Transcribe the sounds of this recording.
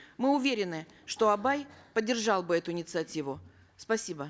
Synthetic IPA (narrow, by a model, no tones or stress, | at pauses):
mɨʊvʲeɾʲɪnɨʂt̪o̞ɐbajpədʲːɪrʐɑlˠbɨɛt̪ʊɪnʲɪt̪sɨɐtʲivʊ | spɐsʲibə